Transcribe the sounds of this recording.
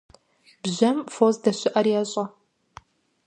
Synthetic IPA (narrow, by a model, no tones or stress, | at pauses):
bʑɐmfozdɐɕɪʔɐrjaɕʼɐ